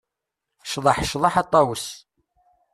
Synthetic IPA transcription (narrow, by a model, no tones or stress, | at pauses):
ʃðˤɑħʃðˤɑħɑt̪ˤːɑwəs